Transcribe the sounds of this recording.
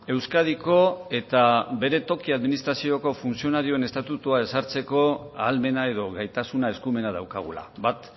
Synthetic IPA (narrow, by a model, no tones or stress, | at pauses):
e̞wskaðiko̞e̞t̪abe̞ɾe̞t̪o̞kiaðminist̪ɾasio̞ko̞funsio̞naɾio̞e̞ne̞st̪at̪ut̪uae̞saɾt͡se̞ko̞aːlme̞nae̞ðo̞ɣajt̪asunae̞skume̞nað̞awkaɣ̞ula̰bat̪